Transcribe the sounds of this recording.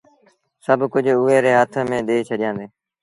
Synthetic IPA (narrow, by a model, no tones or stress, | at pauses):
səbʱkʊd͡ʒʊɦeːɾeːɦət̪ʰəmẽːɗeːt͡ʃʰəɗɪjãːnd̪eː